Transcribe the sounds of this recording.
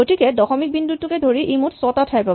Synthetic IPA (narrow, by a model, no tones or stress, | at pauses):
otikɛdɔxɔmik̚bindutːukɛdʱoɹiʔejmutsɔtatʰajpa